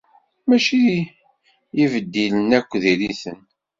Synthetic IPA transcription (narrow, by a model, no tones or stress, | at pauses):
mæʃi | jivəd̪ːilənækʷːðiɾiθən